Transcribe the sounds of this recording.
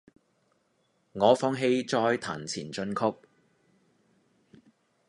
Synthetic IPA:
ŋɔː˨˧fɔː˥ŋɦe˧jt͡ʃɔː˧˥jt̪ʰa̰ː˨˩nt͡sʰiː˨˩nt͡ʃɵ˧nkʰʊ˥k̚

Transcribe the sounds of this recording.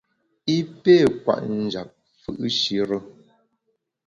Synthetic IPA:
i˦pe˦˨kwa̰˨ʔn̩˨d͡ʒa˨p̚ | fɯ̰˦˨ʔʃi˦ɾə˦

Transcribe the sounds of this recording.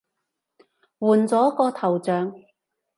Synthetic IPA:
wuː˨˩nt͡sɔː˨˥kɔː˧t̪ʰɐ˨˩wt͡sœː˨˧ŋ

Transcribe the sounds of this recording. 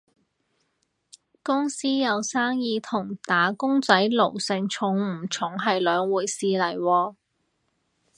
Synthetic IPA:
kʊ˥ŋsiː˥jɐ˨˧wsaː˥ŋjiː˨˧t̪ʰʊ˨˩ŋt̪aː˨˥kʊ˥ŋt͡sɐ˨˥jlo˨˩wsɪ˨ŋt͡ʃʰʊ˨˥ŋm̩˨˩t͡ʃʰʊ˨˥˩ŋɦɐ˨jlœː˨ŋwuː˨˩jsiː˨lɐ˨˩jwɔː˧

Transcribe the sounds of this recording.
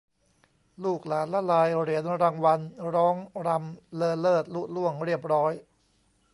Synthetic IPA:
luː˥˩k̚laː˩˦nlɛ˦˥laː˧jɾi˨˩˦ənɾaː˧ŋwa˧nɾɔː˦˥ŋɾa˧mlɤː˧lɤː˥˩t̪̚lu˦˥˩t̪̚lu˥˩əŋɾi˥˩əp̚ɾɔː˦˥j

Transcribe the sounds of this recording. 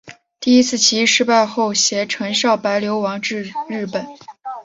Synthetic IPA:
t̪i˥˩i˥t͡sʰɹ̩˥˩t͡ɕʰi˧˥ʂɻ̩˥˧pa˥˧ɪxo˥˩ʊɕjɛ˧˥ʈ͡ʂʰɤ˧˥ŋɕjɑ˥˩ʊpa˧˥ɪljo˧˥ʊwɑ˧˥ŋʈ͡ʂɻ̩˥˧ɻɻ̩˥˩pə˨˩˦n

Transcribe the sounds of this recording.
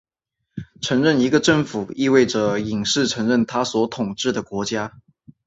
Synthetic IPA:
ʈ͡ʂʰɤ˧˥ŋɻə˥˩ni˧˥ɡə˧ʈ͡ʂɤ˥˩ŋfu˨˩i˥˧we˥˩ɪʈ͡ʂə˩i˨˩ŋʂɻ̩˥˩ʈ͡ʂʰɤ˧˥ŋɻə˥˩nt̪ʰa˥swɔ˧˥t̪ʰʊ˨˩ŋʈ͡ʂɻ̩˥˩d̪ə˩kwɔ˧˥t͡ɕja˥

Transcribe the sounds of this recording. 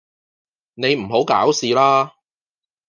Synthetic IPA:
ne˨˧jm̩˨˩ɦo˨˥wkaː˨˥wsiː˨laː˥

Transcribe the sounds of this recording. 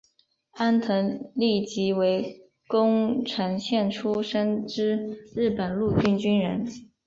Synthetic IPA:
a˥nt̪ʰə˧˥ŋli˥˩t͡ɕi˧˥we˧˥ɪ | kʊ˥ŋʈ͡ʂʰɤ˧˥ŋɕjɛ˥˩nʈ͡ʂʰu˥ʂə˥nʈ͡ʂɻ̩˥ɻɻ̩˥˩pə˨˩nlu˥˧t͡ɕy˥nt͡ɕy˥nɻə̰˧˥n

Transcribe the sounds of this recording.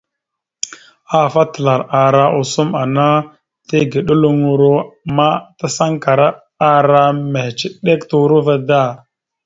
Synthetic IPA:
a˦˨fa˦tə˨la˨ɾa˨ɾa˦ʔu˨su˦ma˨na˦ | te˦ɡe˨ɗo˦lu˦ŋu˨ɾo˦ma˦ta˦sa˦ŋka˨ɾa˦ | a˦ɾa˦me˨ht͡ʃi˨ɗe˦ktu˦ɾu˦va˦da˦˨

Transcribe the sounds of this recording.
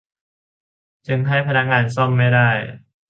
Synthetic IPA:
t͡ɕɯ˧ŋɦa˥˩jpʰa˧na˦˥k̚ŋaː˧ns̬o˥˩ŋma˥˩jda˥˩j

